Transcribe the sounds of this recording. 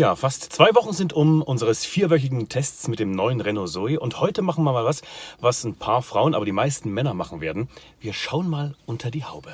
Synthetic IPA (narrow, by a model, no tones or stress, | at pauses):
jaːfastt͡sv̥aɪvɔχn̩zɪntʊmʔʊnzəʁəsfiːɐvœç̬ɪɡŋ̩tʰɛst͡smɪt̚d̥eːmnɔʏənʁɛnozɔɪʔʊnthɔʏtəmaχn̩miːɐmaːlvasvasn̩pʰaːɐfʁ̥aʊənʔaːbɐdiːmaɪstn̩mɛnɐmaχn̩veːɐdn̩ | viːɐʃaʊənmaːlʔʊntʰɐdiːhaʊbə